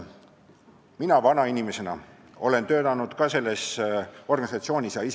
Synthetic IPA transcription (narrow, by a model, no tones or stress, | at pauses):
minɑvɑnɑinʲime̞se̞nɑ̰ | o̞le̞nt̪ø̞ːd̪ɑnud̪̥kɑse̞lːe̞so̞rɡ̥ɑnisɑt̪sio̞ːnʲisjɑis